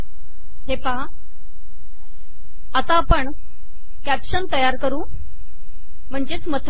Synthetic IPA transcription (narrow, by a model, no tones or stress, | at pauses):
ɦepa | ət̪apəɳ | kæpɕənt̪əjaɾkəɾũː | m̤əɳd͡ʑet͡smət̪ʰ